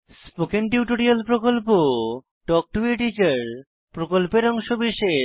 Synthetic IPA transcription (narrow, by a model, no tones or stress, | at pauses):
spokenʈiuʈoɾialpɾokolpo | ɖɔk̚ʈueʈit͡ɕeɾ | pɾokolpeɾɔŋʃobiʃe